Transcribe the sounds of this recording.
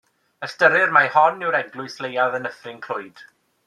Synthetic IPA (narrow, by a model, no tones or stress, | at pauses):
əstəɾɪrmahɔnɪwɾɛɡlˠʊɨslejaðənəfrɪŋkʰl̥ʊɨd̥